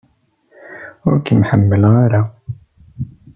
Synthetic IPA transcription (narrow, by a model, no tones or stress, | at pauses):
wʊkəmħəmːəlʁaɾa